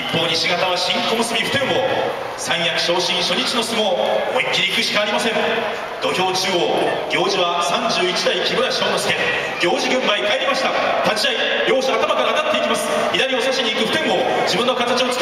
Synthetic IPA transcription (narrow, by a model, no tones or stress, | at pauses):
ipːo̞ːɲiɕiɡat̪aβ̞aɕĩŋko̞mɯsɨmʲiɸɯ̟̥t̪ẽ̞mːo̞ | sãɰ̃jakɯ̟̥ɕo̞ːɕĩɰ̃ɕo̞ɲit͡ɕino̞sɨmo̞ːmoikʲːiɾʲikɯ̟ɕi̥kaːɾʲimasẽ̞ŋ | d̪̥o̞çʲo̞ːt͡ɕioːɡʲo̞ːʑiβasãɲd͡ʑɨːit͡ɕid̪aikʲimɯɾaɕo̞ːnosẽ | ɡʲo̞ːʑiɡɯ̟̃mːaikaeɾʲimaɕi̥t̪at̪at͡ɕiai | ɡʲo̞ːɕoat̪amakaɾanat̪ːe̞ikʲimasɨ̥ | çid̪aɾʲio̞saɕiɲiːkɯ̟ɸɯ̟t̪ẽ̞mːo̞d͡ʑibɯ̃nːokat̪at͡ɕio̞t͡sɨ̥k